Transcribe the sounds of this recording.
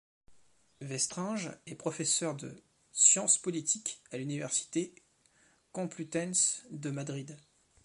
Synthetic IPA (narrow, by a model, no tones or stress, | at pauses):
vɛst̪χɛ̃ʒɛpχɔfɛsœʁd̪ə̰ | sjɑ̃spɔlit̪ʰikalynivɛʁsi̥t̪e | kɔ̃plyt̪ɛnsd̪əmad̪ʁid̪